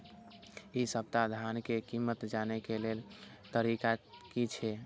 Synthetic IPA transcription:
isəp̚t̪ad̪ʱankekimːət̪d͡ʒanekelel | t̪əɾikakit͡ʃʰɛ

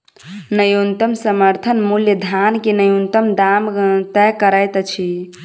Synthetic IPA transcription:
nəjunt̪əmsəməɾt̪ʰənmuljəd̪ʱjankenəjunt̪əmd̪amt̪ɛkəɾəjt̪t͡ʃʰi

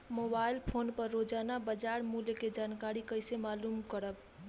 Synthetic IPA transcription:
mobailpʰonpəɾːod͡ʒanabəd͡ʒaɾmuljked͡ʒankaɾikəjsemalumkəɾəb

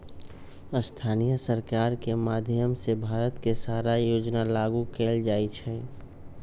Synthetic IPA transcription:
əst̪ʰaːnijəsəɾkaːɾkemaːd̪ʱjəmsebʱaːɾət̪kesaːɾajoːd͡ʒnalaːɡukeːld͡ʒaːit͡ʃʰɛ

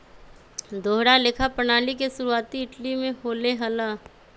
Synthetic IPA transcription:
d̪ʱoːɦɽalɪkʰapənaːlikeʃʊɾuaːt̪iɪʈlimẽɦoːleɦəlaː

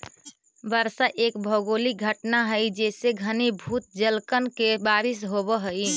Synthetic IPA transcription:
bəɾsaʔekbʱəɡoliɡʱəʈnaɦəɪd͡ʒeseɡʱənibʱut̪̚d͡ʒəlkənkebaɾisɦobəɦəj

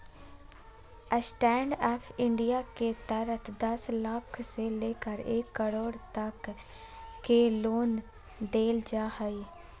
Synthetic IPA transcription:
əsʈɛːɳɖɛːpʰɪ̃ɳɖijaːket̪əɾət̪ʰd̪əsləkʰseleːkəɾeːkːəɽoːɽt̪əkː | eloːn | d̪eːld͡ʒaːhəiː

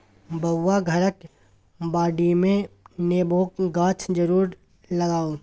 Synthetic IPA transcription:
bɐːaɡʱɐɾək | baːɖimẽneːboːkɡãːt͡ʃʰd͡ʒəɾuːɾ | lɐɡaːo

